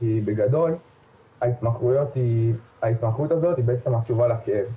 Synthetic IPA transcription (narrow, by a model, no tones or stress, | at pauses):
kibeɡado̞l | ait̪makʁujo̞t̪i | ait̪makʁut̪azo̞t̪hibeet͡se̞mhat͡ʃuvalakeev